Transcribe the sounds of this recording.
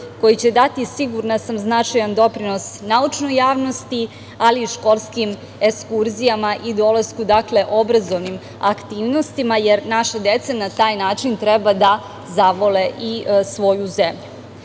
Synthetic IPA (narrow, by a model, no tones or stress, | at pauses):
ko̞jit͡ɕe̞d̪at̪isiɡuɾnasamznat͡ʃajand̪o̞pɾino̞snaut͡ʃno̞jːaːʋno̞st̪i | aliʃko̞lˠskim | ekskuɾzijamaʔid̪o̞laskud̪akle̞ʔo̞bɾazo̞ʋnim | akt̪iːʋno̞st̪imajeɾnaʃad̪e̞t̪sanat̪aːjnaːt͡ʃint̪ɾɛbad̪a | zaʋo̞leʔisʋo̞juzemʎu